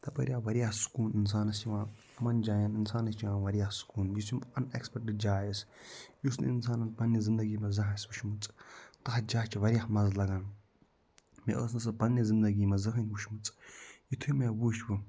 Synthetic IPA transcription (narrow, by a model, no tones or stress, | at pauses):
t̪ɐbɐ̰ɾʲjaːʋɐɾijahsu̥kuːnins̬aːnɐst͡ʃiʋãː | mɐnd͡ʒaːjaninsaːnɐst͡ʃʰiʋãːʋɐɾʲjahsu̥kuːnjisʰimɐnḛkspek̚ʈd͡ʒaːjisjusnɨ̰insaːnɐnpɐnːizind̪ɐɡiːmɐzɐɦasbuʃmut͡sʼt̪ɐhd͡ʒaːt͡ʃʰiʋɐɾʲijahmɐzlɐɡaːn | mḛʔə̰ːsnɐsɨpɐnːɐzind̪ɐɡiːmɐzɐɦɐnʲbuʃmut͡sʼjit̪ʰumebuːʃbɨ